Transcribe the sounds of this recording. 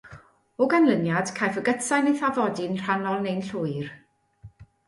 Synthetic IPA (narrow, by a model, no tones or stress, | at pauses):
ɔɡanlənjad̥kʰajfəɡətʰajnejθavɔdɪnr̥anɔlˠnejnɬʊɨr